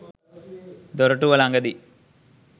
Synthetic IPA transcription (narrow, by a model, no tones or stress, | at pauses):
d̪oɾɐʈuʋɐlaŋɡɐd̪i